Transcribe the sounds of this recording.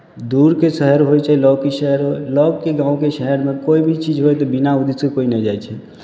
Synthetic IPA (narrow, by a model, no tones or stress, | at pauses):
d̪uɾkesəɦəɾɦojt͡ʃʰɛlɔɡkeʃəɦəɾɦolɔɡ̚keɡãːũkeʃəɦəɾmekoibʱit͡ʃid͡ʒɦojt̪ɔbinaud̪isekoinɛd͡ʒajt͡ʃʰɛ